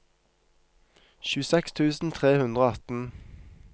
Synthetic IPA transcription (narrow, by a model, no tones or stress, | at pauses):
çʉːəsɛkst̪ʰʉːsn̩t̪ʰʁeːhʉnd̪ʁoːɑt̪n̩